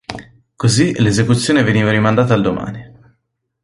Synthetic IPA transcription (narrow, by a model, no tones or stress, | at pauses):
kozilezekut̪sːjoːneveniːvaɾimand̪aːt̪ald̪oma̰ːni